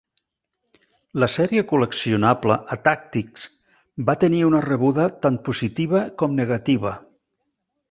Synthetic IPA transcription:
ləsɛɾiəkuləksiunapləʔət̪ak̚t̪iks | bat̪əniunərəβuðət̪anpuzit̪iβ̞əkɔmnəɣat̪iβ̞ə

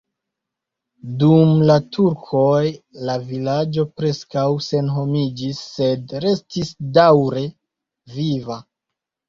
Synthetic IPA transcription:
dumlatʰuɾkʰo̞jlavilad͡ʒo̞pɾe̞skawse̞nɦo̞mid͡ʒisːe̞dɾe̞stisdawɾe̞ | viva

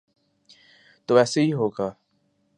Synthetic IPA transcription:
t̪oɛːseɦiɦoːɡaː

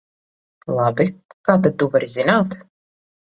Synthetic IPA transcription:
lˠabikaːt̪ad̪uvaɾizʲinaːt̪

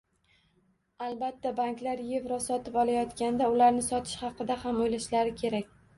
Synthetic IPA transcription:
alˠbat̪ʰːabaŋkʲlaɾje̞vɾɒsɒt̪ʰɪpɒlˠajɒt̪kʲand̪aʊlaɾnɪsɒt̪ʰɪ̥ʃhɑqɨd̪ahamojlaʃlaɾɪkʲʰe̞ɾakʲ

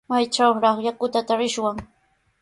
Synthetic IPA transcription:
majt͡ʃawɾɑχjakʊt̪at̪aɾɪʃwaŋ

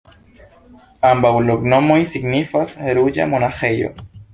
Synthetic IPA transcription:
ambauloknomoisiknifaseɾuja̰monaχejo̰

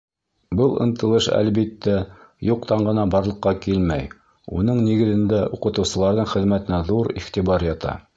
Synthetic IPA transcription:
bɤlˠɤ̰̆nt̪ɤ̆lˠɤʃæ̰lβit̪ːæjuqt̪ɑɴɢɤ̆nɑbɑɾlˠɤ̆qːɑkilmæj | unɤɴniɡɘ̆ðɘ̆nd̪æuqɤ̆t̪ɤ̆wsɤ̆lˠɑɾðɤɴχɘ̆ðmæt̪ɘ̆næðuɾḭχt̪iβɑɾjɑt̪ɑ̰

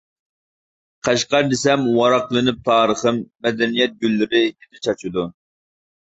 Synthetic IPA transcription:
qʰæʃqɑɾd̪ɪsɛmwɑɾɑqlˠɨnɪp̚t̪ʰɑːɾəχɨmːɛd̪ɛnijɛt̪̚ɡʲylːɪɾɪjid̪ɪt͡ʃʰɑt͡ʃʰud̪u

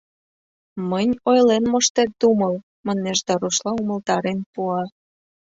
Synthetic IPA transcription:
mənʲojlenmoʃt̪er̚d̪uməl | mɑneʃd̪ɑɾuʃlɑuməlt̪ɑɾenpuɑ

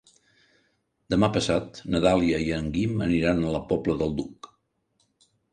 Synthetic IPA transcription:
d̪əmapəsat̪nəðaliəiəŋɡimə̰niɾanələpɔbləðəlˠd̪uk

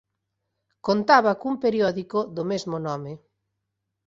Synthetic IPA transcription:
kont̪aβakumpeɾiɔðikoðomezmonɔme

